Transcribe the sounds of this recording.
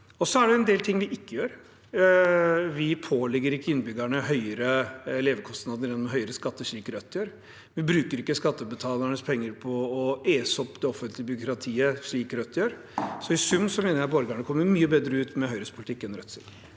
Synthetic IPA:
ɔsɔæɖɛɛnd̪eːlt̪ʰɪŋːʋɪʔɪkːəjøːɾ | ʋɪpʰoːlɛɡːəɾɪkːəɪnbʏɡæɳəɦœʏəɾəɛleːʋəkʰɔst̪nɑd̪əɾjɛnːmɦœʏəɾəskɑt̪ːəʂɭiːkɾœt̪ːjøːɾ | ʋɪbɾʉːkəɾɪkːəskɑt̪ːəbət̪ʰɑːləɳəspʰɛŋːəɾpʰɔːeːsɔpːd̪ɛɔfənt̪lɪəbʏɾʊkʰɾɑt̪ʰiːəʂɭiːkɾœt̪ʰːjøːɾ | sɔɪsʉmːsɔmeːnəɾjæɪbɔɾɡæɳəkʰɔmːəɾmyːəbeːd̪ɾəʉːt̪mɛɦœʏɾəspʰʊlt̪ɪkːɛnɾœt̪ːsɪt̪

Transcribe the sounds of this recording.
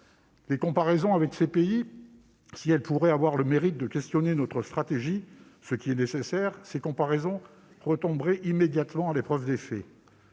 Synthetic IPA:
lekɔ̃paʁezɔ̃avɛksepei | siɛlpuʁɛavwaʁləmeʁit̪̚d̪əkʲɛst̪jɔnenɔt̪χəst̪χat̪eʒi | səkʲiɛnesesɛʁsekɔ̃paʁezɔ̃ | ʁət̪ɔ̃bʁɛʔimed̪jat̪mɑ̃alepχœvd̪efɛ

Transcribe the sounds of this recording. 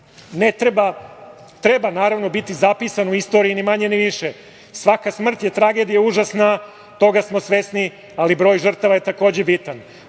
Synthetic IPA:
net̪ɾeba | t̪ɾe̞banaːɾaʋno̞bit̪izapisanuist̪o̞ɾijinimaɲeniʋiʃe | sʋakasmr̩t̪jet̪ɾaɡe̞d̪ijauʒasna | t̪o̞ɡasmo̞sʋe̞sni | alibɾo̞ːjʒər̩t̪aʋajet̪ako̞ːd͡ʑebit̪an

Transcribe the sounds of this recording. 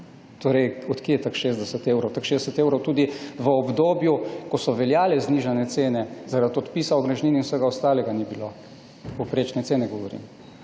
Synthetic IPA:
t̪oːɾɛjɔt̪kiɛt̪akʃeːzd̪ɛsət̪eːwɾɔwt̪akʃeːzd̪ɛsət̪ewɾɔwt̪uːd̪iʋəɔbd̪oːbjukɔsɔʋɛljaːlɛzniːʒanɛt̪seːnɛzaɾad̪̚pɔt̪pisaoɡɾɐʒniːninwsəɡaɔst̪aːlɛɡanibilo | popɾet͡ʃnɛt̪seːnɛɡɔʋɔɾḭm

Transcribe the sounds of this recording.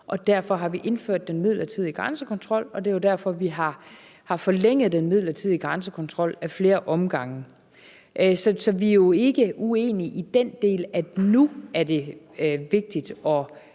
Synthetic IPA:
ʔɒ̽d̥æɐ̰fɒ̽ɦɑ̈ʋiʔe̝nfø̰ɐ̰d̥ːenmið̞̰ˠlɐt͡sʰið̞̰ˠiɡ̥ʁansəkʰɒ̽nt͡sʰʁɒ̽l̰ɒ̽d̥e̝jo̝d̥æɐ̰fɒ̽ʋiɦɑ̈ | hɑ̈fɒ̽leŋ̰əð̩ˠd̥enmið̞̰ˠlɐt͡sʰið̞̰ˠiɡ̥ʁansəkʰɒ̽nt͡sʰʁɒ̽l̰æfle̝ːɐʔɒ̽mɡ̥ɑ̈ŋ̰ | ʔsɒsɒ̽ʋiæjo̝e̝ɡ̥əue̝̰ːniʔid̥end̥e̝̰ːlæ̥nuæɐd̥e̝ | ʋe̝ɡ̥̚d̥id̥ɒ̽

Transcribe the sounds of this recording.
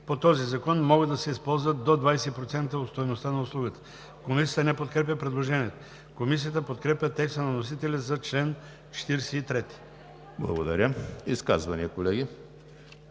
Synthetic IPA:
pot̪ɔzizɐkɔnmɔɡəd̪ɐsɛispɔlˠzvəd̪od̪vajsɛipɾot̪sɛnt̪əot̪st̪ojnost̪anɐʊslˠuɡət̪ə̥ | komis̬ʲijət̪ənɛpot̪̚kɾɛp̬ʲəpɾɛd̪lˠoʒɛniɛt̪o | komis̬iət̪əpot̪kɾɛpʲət̪ɛkst̪ənɐnos̬it̪ɛlʲizɐt͡ʃlɛn | t͡ʃɛ̥t̪iɾsɛit̪ɾɛt̪i̥ | blˠɐ̰ɡod̪ɐ̰ɾʲəiska̰zvɐniəkolɛɡʲi

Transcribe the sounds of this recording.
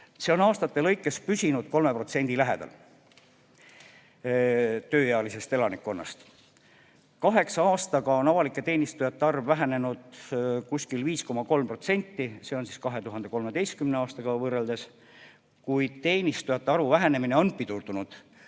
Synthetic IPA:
se̞o̞nɑːst̪ɑt̪ːe̞lɤ̞jkːˑespysʲinud̪̥̚ko̞lme̞pro̞t̪se̞nʲd̪̥ilæɦe̞̰d̪̥ɑ̰l | t̪ø̞ːjeɑlise̞st̪e̞lɑnikːˑo̞nːɑ̰st̪ | kɑɦe̞ksɑɑːst̪ɑɡɑo̞nɑvɑlikːˑe̞t̪e̞ːnist̪ujɑt̪ːeɑrvːæɦene̞nud̪kusʲkilviːsko̞mɑko̞lmpro̞t̪se̞nʲt̪ːise̞o̞nsiskɑɦe̞t̪uɦɑnd̪e̞ko̞lme̞d̪e̞jst̪kymneɑːst̪ɑɡ̥ɑvɤrːeld̪e̞s | kujd̪̥t̪e̞ːnʲist̪ujɑt̪ːeɑɾuvæɦene̞mine̞onpit̪urd̪̥unud̪̥

